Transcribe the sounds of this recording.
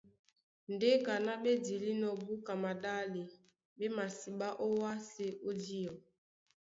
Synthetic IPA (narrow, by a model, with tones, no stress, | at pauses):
n̩˨de˦ka˨na˦be˦di˨li˦nɔ˨bu˦ka˨ma˨da˦li˨ | be˦ma˨si˨ɓa˦ʔo˦wa˦se˦ʔo˦di˦ɔ˨